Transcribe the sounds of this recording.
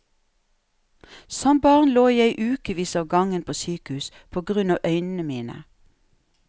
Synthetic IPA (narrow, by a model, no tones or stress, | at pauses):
sɔmbɑːʁnloːjæɪʔʉːkəʋiːsɑːʋɡɑŋənpʰoːsyːkəhʉːs | pʰoːɡʁʉnɑːʋʔœʏnn̩əmiːnə̰